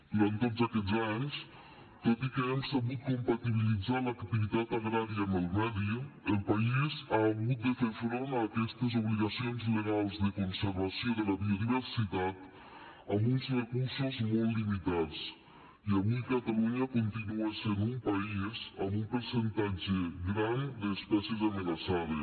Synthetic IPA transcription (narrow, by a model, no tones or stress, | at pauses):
d̪uɾant̪ozəkɛd͡zaɲs | t̪ot̪ikəɛmsəβut̪̚kompat̪iβ̞ilid͡zaləkt̪iβit̪at̪aɣɾaɾiəːməlˠmɛɾiəəlˠpaizaːɣut̪̚d̪əfeɾfɾonaːkɛst̪əzuβliɣəsionzləɣalˠzd̪əkunsəɾβɐsioðələðioðiβərsit̪at̪ | ɐmbunzrəkuɾsozmolˠt̪ːlimit̪at͡s | iaβukat̪aluɲakont̪inuasenumpaizəmumpəɾsent̪ad͡ʒeɣɾand̪əːspɛsezamənasaðe